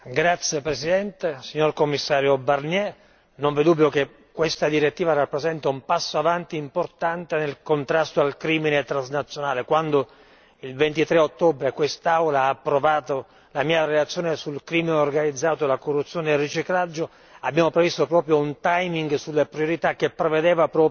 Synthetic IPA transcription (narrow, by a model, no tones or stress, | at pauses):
ɡɾat̪sːjepɾesid̪ɛnt̪esiɲːorkomːisːaːɾjobarnjɛ | noɱvid̪ubːjoke | kːwest̪ad̪iɾet̪ːiːvarapːɾezɛnt̪aumpasːoavant̪iːmport̪ant̪enelkont̪ɾast̪oalkɾiːminet̪ɾaznat̪sːjonaːlekwand̪o | ilvent̪it̪ɾeot̪ːobɾekwest̪awlaːpːɾovaːt̪o | lamiːaɾelat̪sːjoːnesulkɾiːmineorɡanid̪zːaːt̪olakorːut̪sːjoːneːrːit͡ʃiklad͡ʒːo | abːjaːmopɾevist̪opɾɔːpɾjount̪ajmiŋɡsulːepɾjoɾit̪ak̟ːepːɾeved̪ɛːvapɾɔː